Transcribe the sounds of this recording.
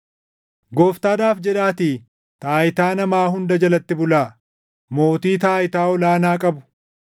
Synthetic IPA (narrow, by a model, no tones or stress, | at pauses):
ɡoːft̪aːd̪aːfd͡ʒɛᶑaːt̪iː | t̪aːjɪt̪aːnɐmaːɦʊnd̪ɐd͡ʒɐlɐt̪ːɪbʊlaː | moːt̪iːt̪aːjɪt̪aːɔlaːnaːkʼɐbʊ̥